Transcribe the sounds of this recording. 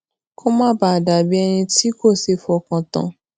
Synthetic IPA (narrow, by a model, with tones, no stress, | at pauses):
kʰo˦mãː˦ba˦˨da˨bi˦ɛ˧nĩ˧ti˦ko˦˨se˨˦fɔ˧kã˧tã̰˧˨